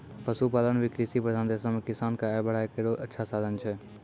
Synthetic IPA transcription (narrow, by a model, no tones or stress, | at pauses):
pəsupaːlənʋikɾisiːpɾəd̪ʱaːnd̪eːsamẽkɪsaːnkabəɽaːekeːɽoʔətːʃʰasaːd̪ʱənt͡ʃʰɛː